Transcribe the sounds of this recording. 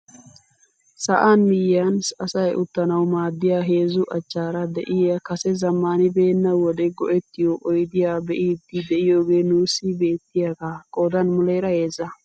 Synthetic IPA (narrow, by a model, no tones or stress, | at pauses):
sɐʔanmɪjansɐsɐjʔʊt̪ːɐnɐwmaːd̪ːɪjaːɦe̞ːzʊʔɐt͡ʃːaːɾɐd̪ɛ̰ʔɪjɐkɐsɛzɐmːaːnɪbe̞ːnːɐwɔd̪ɛɡɔʔɛt̪ːɪjoʔɔjd̪ɪjaːbɛʔiːd̪ːɪd̪ɛʔɪjoːɡe̞ːnuːsɪbe̞ːt̪ːɪjaɡakʼoːd̪ɐnmʊlejɾɐje̞ːzɐ